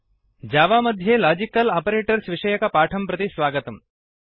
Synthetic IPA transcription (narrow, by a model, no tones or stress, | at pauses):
d͡ʒaːʋaːmɐd̪ʱjeːlaːd͡ʒikɐlaːpɐɾeːʈɐɾsʋiʂɐjɐkɐpaːʈʰɐmpɾɐt̪isʋaːɡɐt̪ɐm